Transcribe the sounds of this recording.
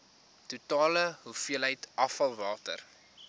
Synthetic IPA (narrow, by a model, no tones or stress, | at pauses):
tutɑːləɦufiələjtʔɐfɐlˠvɑːtə̰r